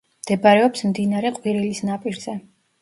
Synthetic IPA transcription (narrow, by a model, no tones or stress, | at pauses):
md̪̥ɛbaɾɛɔpsmd̪inaɾɛqʼwiɾilisnapʼiɾzɛ